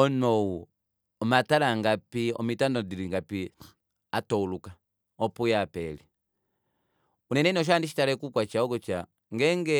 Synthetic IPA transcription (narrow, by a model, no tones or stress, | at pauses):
ɔnɔwu | ɔmatalaŋɡapiɔ̰mitandɔdiɾiŋɡapi | atɔuluka | ɔpujapɛli | unɛnɛnɔʃ̬andiʃi̥talɛkukwat͡ʃaɔɡɔt͡ʃa | ŋɡɛŋɡɛ